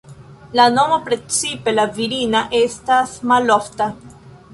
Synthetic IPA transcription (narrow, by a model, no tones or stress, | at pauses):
lanomopɾet͡sipe̞laviɾinaʔe̞stasmalofta